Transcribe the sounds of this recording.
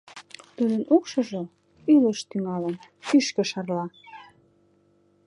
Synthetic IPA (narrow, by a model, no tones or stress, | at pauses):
t̪ud̪ənukʃɤ̆ʒə | ylə̆ʃt̪yŋɑlənkyʃkə̆ʃɑrlɑ